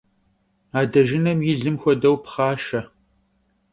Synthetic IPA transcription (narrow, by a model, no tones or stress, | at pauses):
aːdɐʒɪnɐmjɪɮɨmxʷɔdɐwpχɑːʃɐ